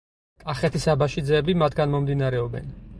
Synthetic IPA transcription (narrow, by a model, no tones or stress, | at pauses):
kʼaχɛt̪ʰisabaʃid̪zɛːbimat̪ʰɡanmɔmd̪inaɾɛɔbɛ̰n